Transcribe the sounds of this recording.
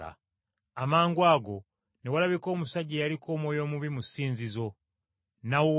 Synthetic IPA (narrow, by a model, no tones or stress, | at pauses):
a̰ | amaːŋɡwaːɡo̞ | newalaβiko̞ːmusaɟejalikʰo̞ːmwo̞ːjo̞ːmuβimusiːnzizo̞ | nawo